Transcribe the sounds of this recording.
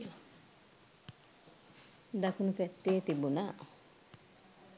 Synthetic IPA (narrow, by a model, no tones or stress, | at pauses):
dakunupɛtːeːtibuna